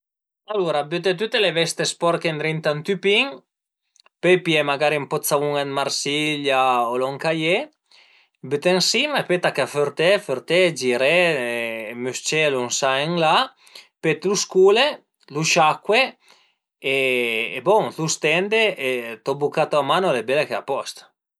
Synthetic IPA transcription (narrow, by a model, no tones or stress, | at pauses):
aluɾabyt̪et̪yt̪elevɛst̪espɔɾkend̪ɾint̪ant̪ypiŋ | pøpiɛmaɡaɾimpɔt͡ssauŋad̪maɾsilaolɔŋkaje | byt̪eŋsimaepet̪akaføɾt̪ɛføɾt̪ɛd͡ʒiɾɛ | myst͡ʃɛlunsaeŋla | pet̪luskule | luʃakwe | ḛːbɔŋθust̪ɛnd̪eet̪ɔbukat̪oamanolebɛlekeapɔst̪